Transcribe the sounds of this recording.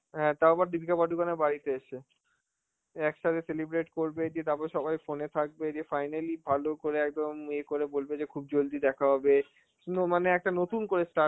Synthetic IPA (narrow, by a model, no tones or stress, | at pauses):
ɦɛ̃t̪aobaɾɖibʱikabaɖukanebaɾit̪eeʃe | ɛkʃat̪ʰeselibɾeʈkoɾbed͡ʑied̪apaʃɔbajfonet̪ʰak̚bed͡ʑiefajnalibʱalokoɾeɛk̚d̪omekoɾebolbed͡ʑekʰub̚d͡ʑold̪ʱid̪ɛkʰaɦɔbe | nomaneɛk̚ʈanot̪unkoɾesʈa